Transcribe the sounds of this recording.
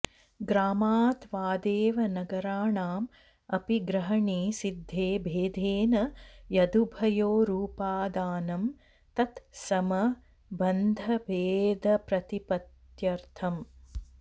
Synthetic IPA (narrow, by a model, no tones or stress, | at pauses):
ɡɾaːmaːt̪ʋaːd̪eːʋɐnɐɡɐɾaːɳaːm | ɐpiɡɾɐɦɐɳiːsid̪ʱːeːbʱeːd̪ʱeːnɐjɐd̪ubʱɐjoːɾuːpaːd̪aːnɐm | t̪ɐt̪sɐmɐ | bɐnd̪ʱɐbeːd̪ʱɐpɾɐt̪ipɐt̪jɐɾt̪ʰɐm